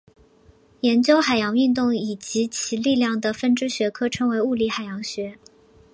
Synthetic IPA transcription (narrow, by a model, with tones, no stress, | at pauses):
jɛ˧˥nt͡ɕjo˥ʊxa˨˩ɪjɑ˧˥ŋy˥˧nt̪ʊ˥˩ŋi˨˩t͡ɕi˧˥t͡ɕʰi˧˥li˥˧ljɑ˥˩ŋd̪ə˩fə˥nʈ͡ʂɻ̩˥ɕɥɛ˧˥kʰɤ˥ʈ͡ʂʰɤ˧˥ŋwe˧˥ɪu˥˩li˧˥xa˨˩ɪjɑ˧˥ŋɕɥɛ˧˥